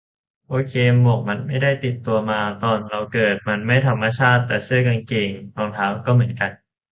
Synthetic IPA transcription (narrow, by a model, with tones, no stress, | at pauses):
ʔoː˧kʰeː˧mbɔː˨˩k̚ma˧nma˥˩jda˥˩jt̪i˨˩t̪ːu˧ɐmaː˧t̪ɔː˧nɾa˧wkɤː˨˩t̪̚ma˧nma˥˩jt̪ʰa˧mːa˧t͡ɕʰaː˥˩t̪ːɛː˨˩sɯ˥˩ɐka˧nke˧˩ŋlɔː˧ŋt̪ʰaː˦˥wkɔː˥˩mɯ˩˦ənka˧n